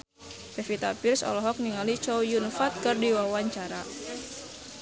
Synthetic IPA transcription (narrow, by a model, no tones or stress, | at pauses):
pɛfit̪apirsɔ̰lɔɦɔk̚niŋalit͡ʃɔwjunfat̪̚kərdiwawaɲt͡ʃaɾa